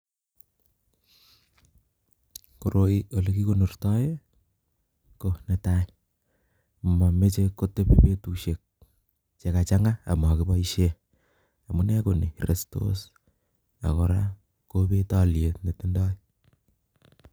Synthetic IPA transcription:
koɾoiolekikonurtɑje | koneta | mamet͡ʃekotepepetuʃek̚ | t͡ʃekat͡ʃaŋɡaa̰makibɔiʃe | amunɛkoniɾesto̰s | a̰koɾa | kobetaljetnetindɔi

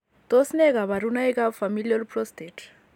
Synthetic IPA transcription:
t̪ɔsnɛkaβaɾunaekafamilialpɾɔst̪et

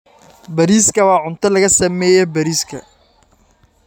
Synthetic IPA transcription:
bɐɾiːskʰɐwɑːʕʊnt̪ʰɐlɐɣɐsɐmɛːjɛbɐɾiːskʰɐ̰

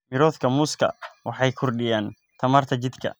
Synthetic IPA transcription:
mɪɾɔːðkʰɐmʊskʰɐ̰wʔɑħɑjkʰʊrɖɪjaːn | t̪ʰɐmɐrt̪ʰɐt͡ʃɪd̪kʰɐ̰

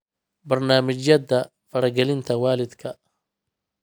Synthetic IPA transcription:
bɐrnaːmɪt͡ʃjɐdɐ | fɐɾɐɡɛlɪnt̪ʰɐwaːlɪd̪kʰɐ

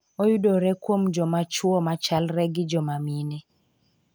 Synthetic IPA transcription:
ojudoɾɛkwomd͡ʒɔmat͡ʃwɔmat͡ʃalɾɛɡɪd͡ʒɔmaminɛ

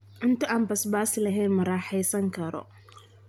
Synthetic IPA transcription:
ʔɪnt̪ʰɐʔaːmbɐsbaːsɪlɐɦɛjnmɐɾaːħɛjsɐŋkʰɐɾɔ̰

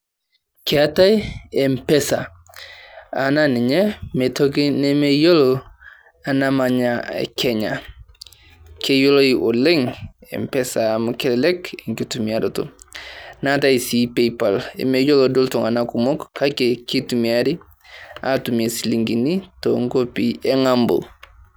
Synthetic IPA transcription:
keatajempesa̰ | a̰naniɲemetokinemejolo | anamaɲaḛkʰeɲa̰ | kejoloiʔoleŋḛmpesamukellekekitumiaɾotṵ | nataisipepalḛmejolodoltoŋanakumokːakekitumiaɾi | a̰tumesiliŋɡinitoŋkopieŋambo̰

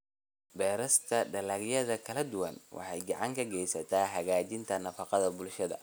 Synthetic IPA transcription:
bɛːɾɐst̪ʰɐɖɐlɐɡjɐðɐkʰɐlɐd̪ʊwɐ̰nwʔɑ̰ħɑjɡɑʕɑŋkʰɐɡɛjsɐt̪ʰaːɦɐɣaːt͡ʃɪnt̪ʰɐnɐfɑqɑðɐbʊlʃɐðɐ̰

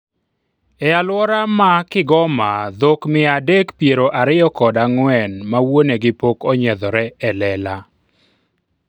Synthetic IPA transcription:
ɛalwɔɾamakɪɡɔmad̪okmɪadekpjeɾoʔaɾɪjɔkɔdaŋwɛnmawoneɡɪpokɔɲɛd̪ɔɾɛɛlɛla

